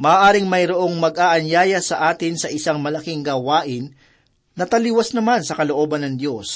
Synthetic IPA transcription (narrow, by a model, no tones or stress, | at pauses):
mɐʔːʔaːɾɪŋmɐjɾoʔo̞ŋmɐɡʔaːʔɐnjaːjɐsɐʔaːt̪ɪnsɐʔɪsaŋmɐlɐkiŋɡaːwaːʔɪnː | ɐt̪ɐliwɐsnɐmansɐkɐlo̞ʔo̞ːbɐnːɐŋd̪jo̞s